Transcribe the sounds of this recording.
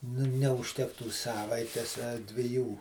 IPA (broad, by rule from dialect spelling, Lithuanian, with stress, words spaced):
nʊ nʲɛʊʃʲˈtʲæːktuː ˈsɑːʋɐɪtʲɛs ɐ dʲʋʲɪˈjuː